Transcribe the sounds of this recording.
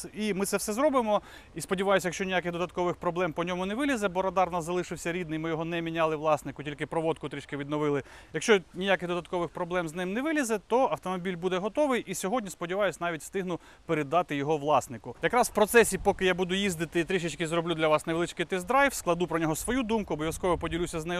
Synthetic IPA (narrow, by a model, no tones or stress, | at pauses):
imɪt̪sɛwsɛzɾɔbɪmɔ | ispɔdʲiʋɑjʊsʲjɐkʃt͡ʃɔnʲijakɪxd̪ɔd̪ɐt̪̚kɔʋɪxpɾɔblˠɛmpɔnʲɔmʊnɛʋɪlʲizɛbɔɾɐd̪ɑrnɑzɐlˠɪʃɪwsʲɐɾʲid̪nɪjmɪjɔɦɔnɛmʲinʲɑlˠɪʋlˠɑsnɪkʊtʲilʲkɪpɾɔʋɔt̪̚kʊt̪ɾʲit͡ʃkɪʋʲid̪nɔʋɪlˠɪ | jɐkʃt͡ʃɔnʲijakɪɣd̪ɔd̪ɐt̪̚kɔʋɪxpɾɔblˠɛmznɪmnɛʋɪlʲizɛt̪ɔɐwt̪ɔmɔbʲilʲbud̪ɛɦɔt̪ɔʋɪjʔisʲɔɦɔdʲnʲispɔdʲiʋɑjʊsʲnɑʋʲitʲst̪ɪɦnʊ | peɾed̪ɑt̪ɪjɔɦɔʋlˠɑsnɪkʊjɐkɾɑswpɾɔt̪sɛsʲipɔkɪjabud̪ʊjizd̪ɪt̪ɪt̪ɾʲiʃɪt͡ʃkɪzɾɔblʲud̪lʲɐʋɑsnɐʋlˠɪt͡ʃkɪt̪ɪzd̪ɾɑjfsklˠɐd̪upɾɔnʲɔɦɔsʋɔjud̪umkʊɐbɔʋʲjɐskɔʋɔpɔdʲilʲusʲɐznɛj